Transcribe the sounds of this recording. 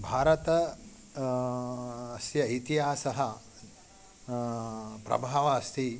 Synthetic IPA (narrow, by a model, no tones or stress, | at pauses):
bʱaːɾɐt̪ɐ | ɐsjɐːjt̪iɦaːsɐɦɐ | pɾɐ̰bʱaːʋɐɐst̪ʰi